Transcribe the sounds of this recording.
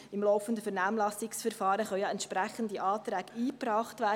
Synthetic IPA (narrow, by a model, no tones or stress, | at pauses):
ɪmlɔʊfən̩dəfɛɾnæːmlɑsɪksfɛɾfɑːɾəχœwjɑɛntʃpɾæχəndəʔɑːt̪ɾæːɡiːpɾɑːχtvæː